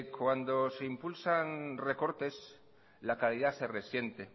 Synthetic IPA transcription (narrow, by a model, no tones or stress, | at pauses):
kwand̪o̞se̞impulsanre̞ko̞ɾt̪e̞s | lakaliðase̞re̞sje̞nt̪e